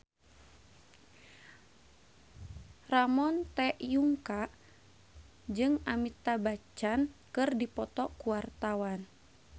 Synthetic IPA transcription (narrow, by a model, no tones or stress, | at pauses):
ramɔnt̪ɛʔjuŋkaʔ | d͡ʒɨŋamit̪abat͡ʃankɨrdipɔt̪ɔkuwart̪awan